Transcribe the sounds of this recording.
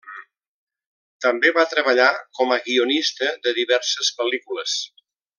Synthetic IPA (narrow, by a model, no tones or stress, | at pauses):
t̪əmbeβat̪ɾəβəʎakɔməɣionist̪əðəðiβɛɾsəspəlikuləs